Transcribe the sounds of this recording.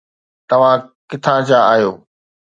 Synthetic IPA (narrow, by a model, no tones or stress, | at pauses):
t̪ɐʋ̤ãkɪt̪ʰãt͡ɕaaːɦijoː